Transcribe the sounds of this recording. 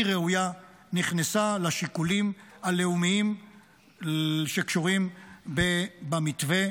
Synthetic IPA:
ʁeuja | niχnesalaʃikulimhale̞umiim | ʃekʃuʁimbebamit̪ve̞

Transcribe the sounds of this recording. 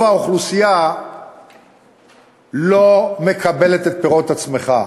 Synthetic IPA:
aoχlusija | lo̞me̞kabe̞le̞t̪et̪̚peʁo̞t̪at͡sme̞χa

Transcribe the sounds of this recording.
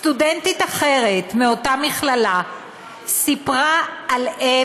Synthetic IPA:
st̪udentitaχe̞ʁetmeo̞tamiχlala | sipʁaːle

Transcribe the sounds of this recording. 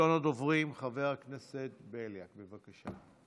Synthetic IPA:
onot̪ovʁimχaveʁakneset̪̚beljakbevakaʃa

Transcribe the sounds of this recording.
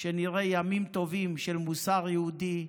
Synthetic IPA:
ʃeniʁejamimt̪o̞vimʃelmusaʁjeud̪i

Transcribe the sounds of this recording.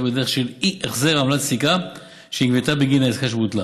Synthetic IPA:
bed̪eʁeχʃeliʔeχzeʁamlat̪sika | ʃeiɡvet̪abeɡinaezkaʃ̬but̪la

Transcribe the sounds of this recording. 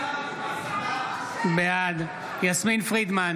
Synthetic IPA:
bead̪ | jasminfʁid̪man

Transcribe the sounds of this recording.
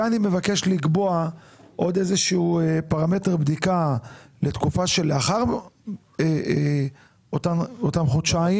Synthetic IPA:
anime̞vake̞ʃliɡboaʔo̞d̪e̞zeʃiuepaʁame̞teʁbd̪ikalet̪kufaʃeleaχaʁ | e | ot̪aotamχuʃai

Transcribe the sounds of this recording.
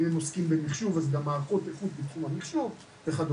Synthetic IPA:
emoskimbemiχʃuvazɡamːaːʁχot̪efut̪bet̪χumhamiχʃuv | veχad̪

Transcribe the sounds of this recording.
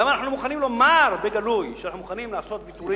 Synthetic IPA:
amanaħnumuχanimlo̞maɾbeɡalujʃanaħnumuχanimlaaso̞t̪̚bit̪uɾi

